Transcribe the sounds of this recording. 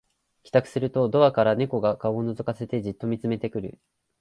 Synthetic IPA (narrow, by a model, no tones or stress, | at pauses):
kʲi̥t̪akɯ̟̥sɨɾɯ̟t̪o̞d̪o̞βakaɾane̞ko̞ɡakaoːno̞zɨkase̞t̪e̞ʑit̪ːo̞mʲit͡sɨme̞t̪e̞kɯ̟ɾɯ̟̰